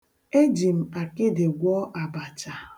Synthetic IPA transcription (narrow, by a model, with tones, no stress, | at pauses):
e˦d͡ʒi˨m̩˨a˨kɪ˦dɪ˨ɡʷɔː˦ʔa˨ba˨t͡ʃa˨